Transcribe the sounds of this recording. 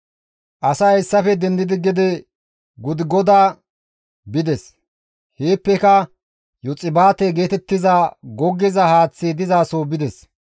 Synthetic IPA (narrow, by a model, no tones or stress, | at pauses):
ʔɐsaːɛsːɐfɛd̪ɛnd̪ɪd̪ɪɡɪd̪ɛ | ɡʊd̪ɪɡɔd̪aː | bɪd̪ɛs | heːpːɛkɐ | jɔt͡sʼɪbaːt̪ɛɡeːt̪ɛt̪ːɪzaːɡɔɡːɪzɐhaːt͡sːid̪ɪzaːsoːbɪd̪ɛs